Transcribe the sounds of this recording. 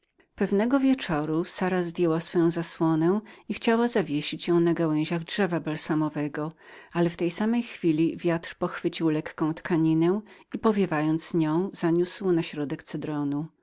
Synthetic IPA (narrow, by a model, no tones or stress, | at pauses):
pɛvnɛɡɔvʲjɛt͡ʂɔɾusaɾazd̪ʲjɛwasfɔjɔ̃w̃zaswɔnɛw̃ixt͡ɕawazavʲjeɕit͡ɕjɔ̃w̃naɡawɛ̃ʑaɣdʐɛvabɛlsamɔvɛɡɔalɛft̪ɛjsamɛjxfʲilʲivʲjat̪ɾpɔxfɘt͡ɕiwlɛkːɔ̃w̃t̪kaɲinɛipɔvʲjɛvajɔnt̪sɲɔ̃w̃z̥aɲuswnaɕɾɔd̪ɛkt̪sɛd̪ɾɔnu